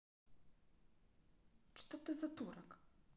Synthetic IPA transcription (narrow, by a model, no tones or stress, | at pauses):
t͡ʂɨ̥t̪ɔt̪ɛzat̪uɾak